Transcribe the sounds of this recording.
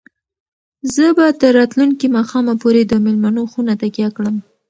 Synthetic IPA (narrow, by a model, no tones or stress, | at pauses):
zəbat̪əɾːɑt̪luŋkimɑxɑmapoɾed̪əmɪlmanoxunat̪akjɑkɽəm